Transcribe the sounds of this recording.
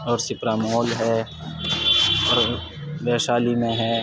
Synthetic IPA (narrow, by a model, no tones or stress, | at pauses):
ɔːɾsɪpɾaːmɦɔːlɦɛː | ɔːɾʋeːʃaːlimẽɦɛː